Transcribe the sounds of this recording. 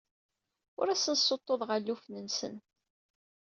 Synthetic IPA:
ʊɾæsənsˤːot̪ˤːoðˤʁəlːufnənsə̰n

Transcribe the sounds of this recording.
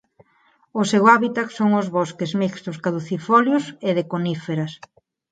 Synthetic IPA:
osewaβit̪aksoŋozβɔskezmikst̪ʊskaðuθifoljʊseðekonifeɾɐs

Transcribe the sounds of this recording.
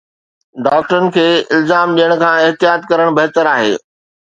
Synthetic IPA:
ɖaːk̚ʈəɾənɪ̆kʰeːɪlzaːmɗijəɽ̃̆kʰãːɪɦt̪ijaːt̪kɐɾəɽ̃bɐɦt̪əɾaːɦḛː

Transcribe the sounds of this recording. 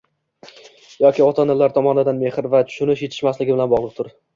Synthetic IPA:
jɒkʲɪɒt̪ʰanɪlːaɾt̪ʰɒmɒnɪd̪anme̞hɪɾvat̪ʰʊ̥ʃʊnɪʃje̞t̪ʰɪ̥ʃmaslɪɡʲɪbɪlanbɒʁlˠɨq̚t̪ʰʊɾ

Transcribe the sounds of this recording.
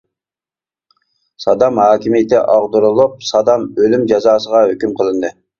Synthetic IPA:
sɑd̪ɑmhɑːkʲimijɪt̪ɪʔɑʁd̪uɾulˠup̚sɑd̪ɑmølymd͡ʒɑzɑːsəʁɑɦøkʲymqʰəlˠɨnd̪ɨ

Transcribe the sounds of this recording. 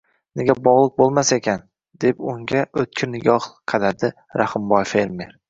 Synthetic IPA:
neɡʲabɒʁlˠɨq̚bolˠmasaekʲʰan | d̪̥e̞pʊŋɡʲaʔɵt̪̚kʲʰɪnɪɡʲɒhqʰɑd̪ad̪ɪ | ɾahɪmbɒjfe̞ɾme̞ɾ

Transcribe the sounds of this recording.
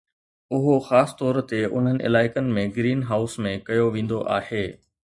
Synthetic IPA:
ʊɦoxaːst̪ɔːɾt̪eʊ̰n̤ənɪ̆ʔɪ̰laːɪkənɪ̆mẽɡɾiːnɦaːʊsmẽkɐjoʋẽːn̆d̪oʔa̰ːheː

